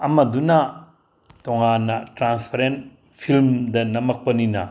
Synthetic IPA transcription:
ɐmɐdunɐ | toŋanːɐtɾanspʰaɾen | pʰilmdɐnɐmɐk̚pɐninɐ

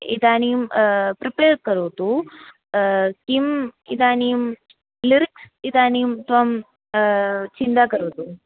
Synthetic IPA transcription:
ḭd̪aːnijumpɾipeːɾkɐɾuːt̪u | kimḭd̪aːnijum | liɾiks | id̪aːnijumt̪ʋɐm | t͡ʃind̪aːkɐɾoːt̪u

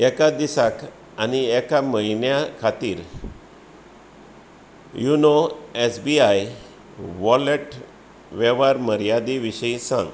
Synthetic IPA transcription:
ɛkad̪isak | aniɛkaməinjakʰat̪iːɾ | junoesbiaj | ʋɔleʈ | ʋɛʋaɾməɾjad̪iʋiɕəisã̰ŋɡ

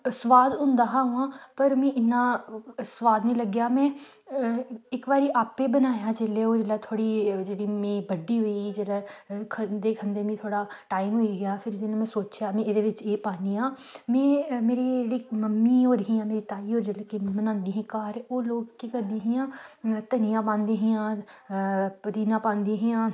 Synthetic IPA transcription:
sʋaːd̪ɦʊ̃nd̪aːɦãːɦũːãːpəɾmɛ̃ːɪnːãːsʋaːd̪nĩːləɡjaːmɛ̃ː | ɪkʋaːɾiːʔaːpeːbənaːjaːd͡ʒeːleːoːd͡ʒeːlɛːt̪ʰoːɽiːd͡ʒeːɽiːmẽːbəɖiːɦoːiɡiːd͡ʒeːlɛːkʰənd̪eːkʰənd̪eːmẽːt̪ʰoːɽaːʈaːimɦoːiːɡɪjaːpʰɪɾd͡ʒeːlẽːmɛ̃ːsoːt͡ʃjaːmɛ̃ːed̪eːʋɪt͡ʃeːpaːniːãː | mɛ̃ːmeːɾiːd͡ʒeːɽiːməmːiːɦoːɾɦĩːãːmeːɾiːt̪aːiːɦoːɾd͡ʒeːleːkemənãːnd̪iːɦãːkaːɾoːloːkkiːkəɾd̪eːɦijãːt̪ənijãːpãːnd̪eːɦijãː | pəd̪iːnãːpãːnd̪iːɦijãː

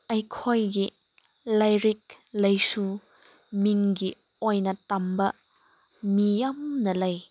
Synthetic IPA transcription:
ɐjkʰojɡi | lɐjɾik̚ | lɐjsu | miŋɡi | ojnɐtɐmbɐ | mijɐmnɐlɐj

